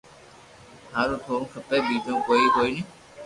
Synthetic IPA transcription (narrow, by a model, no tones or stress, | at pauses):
haːɾõːt̪ʰõːkʰəpeːɓiːd͡ʒõːkoːiːɦoːiːniː